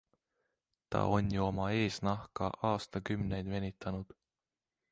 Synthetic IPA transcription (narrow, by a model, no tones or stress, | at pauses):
t̪ɑ̰o̞nʲjuo̞mɑe̞ːsnɑhkɑʔɑːst̪ɑkymne̞jd̪ve̞nʲit̪ːˑɑnud̪̥